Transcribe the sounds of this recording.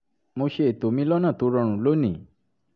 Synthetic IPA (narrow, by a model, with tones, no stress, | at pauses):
mo˦ʃe˦e˨t̪o˨mi˦lɔ˦nã˨t̪u˧ɾɔ˨ɽ̃ũ˨lo˦ni˨